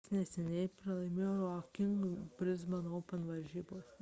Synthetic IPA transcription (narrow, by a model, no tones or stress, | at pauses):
snʲɛsʲɛnʲɛɪpɾɐlˠɐɪmʲeːjoːɾɔːkʲɪŋɡbʲɾʲɪzbɐnoːpʲɐnʋɐɾʲʒʲiːboːs